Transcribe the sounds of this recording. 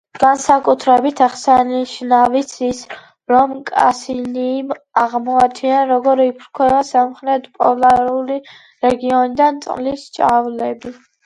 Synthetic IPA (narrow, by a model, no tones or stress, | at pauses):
ɡ̥ansakʼut̪ʰɾɛbit̪ʰaχsaniʃnavit̪sʰis | ɾɔmkʼa̰siniːm | aʁmɔat̪ʰianɾɔɡɔɾipʰɾkʰwɛbasamχɾɛt̪ʰpʼɔlaɾuli | ɾɛɡiɔnid̪ant̪sʼqʼlist͡ʃʼavlɛbi